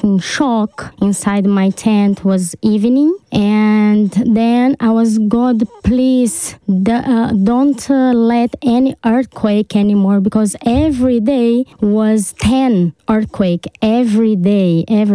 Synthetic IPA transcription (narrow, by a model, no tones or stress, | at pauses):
nʃɔkɪ̃nsajdmajtʰɛ̃ntʰwɔzivnĩŋʔɛ̃nd̪ɛ̃najwɔzɡʊdpliz | dõntʰlɛtɛniʔɜɹθkʰweɪkʰɛ̃nimɔɹbikɔzɛvɹideɪwɔztʰɛ̃nɜ˞θkʰweɪkɛvɹideɪɛv